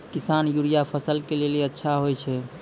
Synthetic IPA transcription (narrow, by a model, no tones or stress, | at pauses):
kisanjuɽijapʰəsəlkeleleətːʃʰaɦojt͡ʃʰɛ